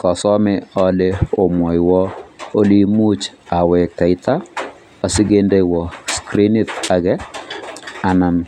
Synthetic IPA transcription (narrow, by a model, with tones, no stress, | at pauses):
kɔ˨sɔ˦mɪ˦ɔ˦le˦o˨mwɔ˨jwɔ˦o˦li˦mu˦t͡ʃa˨wɛ˨ka˨i˦t̪a˦ | a˨sɪ˦ɡe˦nde˦jwɔ˨skɾi˦ni˦ta˨ɡɛ˦ | a˨na˨m